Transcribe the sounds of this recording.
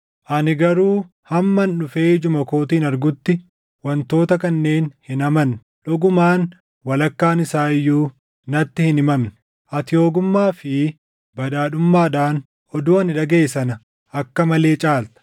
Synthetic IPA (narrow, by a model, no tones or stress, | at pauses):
ʔɐnɪɡɐɾuː | hɐmːɐnɗʊfe̞ːd͡ʒʊmɐko̞ːt̪iːnɐɾɡʊt̪ːɪ | wɐnt̪o̞ːt̪ɐkɐnːe̞ːnhɪnɐmɐn | ᶑɔɡʊmaːn | wɐlɐkːaːnɪsaːɪjːuː | nɐt̪ːɪhɪnɪmɐmːʊ | ʔɐt̪ɪjo̞ːɡʊmːaːfɪ | bɐᶑaːᶑʊmːaːᶑaːn | ʔɔd̪uːɐnɪᶑɐɡeːsɐnɐ | ɐkːɐmɐle̞ːt͡ʃʼaːlt̪ɐ̥